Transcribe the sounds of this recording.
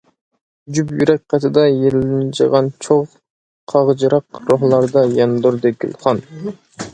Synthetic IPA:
d͡ʒypjyɾɛk̚ʲqʰɑt̪ʰɨd̪ɑjelɪnt͡ʃɨʁɑnt͡ʃʰoʁ | qʰɑʁd͡ʒɨɾɑqɾoɦlˠɑɾd̪ɑjɑnd̪uɾd̪ɨɡʲy̰lˠχɑn

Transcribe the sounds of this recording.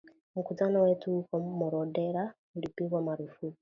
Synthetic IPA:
mukutanowetukomuɾodeɾa | uɾipiβwamaɾufu

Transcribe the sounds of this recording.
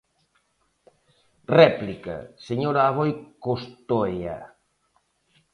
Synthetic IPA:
rɛplika̰seɲoɾaːβojkost̪oja̰

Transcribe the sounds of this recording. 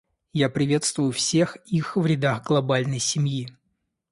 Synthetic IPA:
japɾʲɪvʲe̞t̪st̪vʊjʊfsʲexixvɾʲɪd̪aɣɡlˠɐbalʲnəjsʲɪmji

